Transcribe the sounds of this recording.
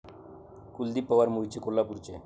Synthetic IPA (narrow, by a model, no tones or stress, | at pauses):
kuld̪ipəʋaɾmuit͡ɕekolːapuɾt͡ɕe